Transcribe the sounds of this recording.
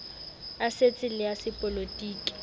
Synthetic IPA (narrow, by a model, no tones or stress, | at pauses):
aset͡sʼɪlɪasɪpʼolotʼiːkʼi̥